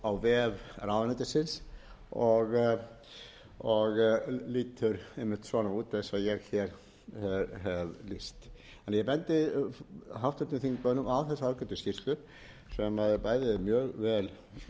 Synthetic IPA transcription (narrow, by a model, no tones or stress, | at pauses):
awvɛːvrawðanɛt̪ɪsɪns | ɔɣ | ɔɣliːt̪ʰʏɾemːɪ̥t̪svɔnauːt̪ɛðsaðjɛɣçɛɾ̥ | hɛɦɛvlist̪ | ɛnjɛpɛnt̪ɪ | ɦawft̪ʏt̪nɪθiŋkœːnʏmawθɛsaɾakœnt̪ʏscir̥t̪lʏɾ | sɛmaðpaːjðɪmjœːɣvɛːl